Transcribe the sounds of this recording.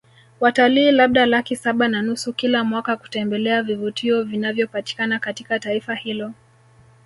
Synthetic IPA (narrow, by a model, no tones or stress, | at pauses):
wataliːlaɓ̚ɗalakisaɓananusukilamwakaku̥tɛmbɛlɛavivutʰiɔvinavjɔpati̥kanakatikataifahilɔ